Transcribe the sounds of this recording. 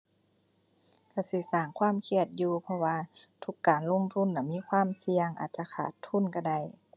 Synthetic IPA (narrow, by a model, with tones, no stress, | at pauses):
ka˧˩si˧˦saː˨˩ŋkʰwaː˥˨mkʰi˧˩ət̪̚juː˧pʰɔ˧waː˧t̪ʰu˧˦kːaː˨˩nlo˧˥˨ŋt̪ʰu˧˥˨nːa˧˩miː˧˥˨kʰwaː˧˥˨msi˧əŋʔa̰ː˨˩t̪̚t͡ɕa˧kʰa̰ː˨˩t̪ʰːu˧˥˨nka˧˩da˧˩j